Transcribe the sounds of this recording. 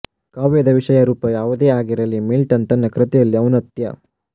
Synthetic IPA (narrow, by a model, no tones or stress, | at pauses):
kaːʋed̪ɐʋiʂɐjɐɾuːpɐjaːʋud̪eːaːɡiɾɐlːimilʈɐnt̪ɐnːɐkɾɐt̪ɛjɐlːiɐʋnɐt̪jɐ̰